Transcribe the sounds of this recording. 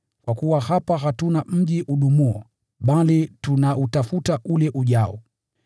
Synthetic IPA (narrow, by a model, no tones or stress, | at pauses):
kwakuwahapaɦatunam̩ʄiʔuɗumuɔ | ɓalitunaʔutafutaʔulɛʔuʄaɔ